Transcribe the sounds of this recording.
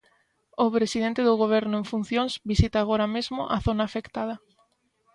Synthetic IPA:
ʊpɾesiðent̪eðʊɣoβ̞ɛɾnʊeŋfun̟θjoŋzβisit̪aːɣ̞oɾɐmezmʊ̰ʔaθonaːfekt̪að̞ɐ

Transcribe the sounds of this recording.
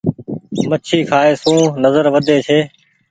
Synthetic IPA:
mət͡ʃʰiːkʰaːeːsũːnəzəɾʋəd̪ʱeːt͡ʃʰeː

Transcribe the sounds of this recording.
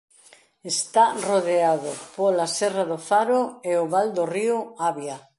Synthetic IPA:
est̪aroðeaðopolasɛraðofaɾoeoβald̪orioaβja

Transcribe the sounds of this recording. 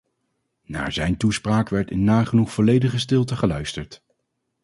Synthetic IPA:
na̰ːɹzɛjntuspraːkʋɛɹtɪnːaːχənuχfɔlejdəχəstɪlˠtəχəlœɥstəɹt

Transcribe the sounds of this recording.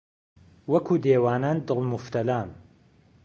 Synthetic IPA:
wɐkʰuːd̪eːwaːnaːnd̪ɨlˠmʊft̪ɐlaːn

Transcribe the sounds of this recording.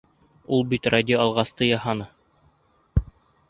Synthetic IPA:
ulˠbit̪radʲɪoɑlˠʁɑst̪ɤjɑhɑnɤ

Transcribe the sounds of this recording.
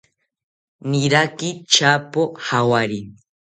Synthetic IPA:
nɪɾakɪt͡ʃapohawaɾɪŋ

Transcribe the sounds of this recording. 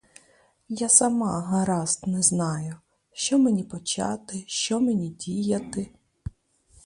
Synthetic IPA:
jasɐmɑɦɐɾɑst̪nɛznɑjʊ | ʃt͡ʃɔmenʲipɔt͡ʃɑ̰t̪ɪʃt͡ʃɔmenʲidʲijɐt̪ɪ

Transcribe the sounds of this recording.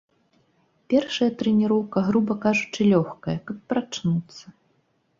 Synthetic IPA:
pʲɛrʂɐjɐt̪ɾɛnʲiɾɔwkɐɣɾubɐkaʐut͡ʂɨlʲɔxkɐjɐkɐpːɾat͡ʂnut̪sːɐ

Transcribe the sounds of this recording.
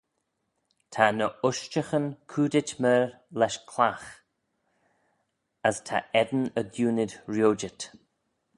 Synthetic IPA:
tʰanəʊʃt͡ʃəxənkʰuːdɪt͡ʃməɹ | lɛʃkʰlax | əstʰa̰ʔɛd̪ənədjuːnɪdɹjoːd͡ʒət

